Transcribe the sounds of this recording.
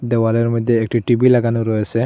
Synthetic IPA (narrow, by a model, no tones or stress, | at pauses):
dɛwalɔɹmɔjd̪jɛːk̚ʈʰiʈibilaɡanuɾɔjasɛ